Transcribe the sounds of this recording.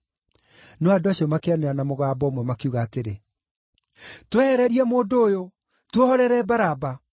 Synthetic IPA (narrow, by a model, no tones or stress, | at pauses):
noadoaɕiɔmakeaneɾanamoɣaːbɔmwɛmakeuɣaːteɾe | twɛhɛɾɛɾiɛmoːndoːjo | twohɔɾɛɾɛbaɾaba